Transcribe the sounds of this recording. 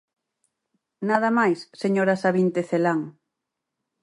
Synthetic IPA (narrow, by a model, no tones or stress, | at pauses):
naðamajsːeɲoɾasaβint̪eθelaŋ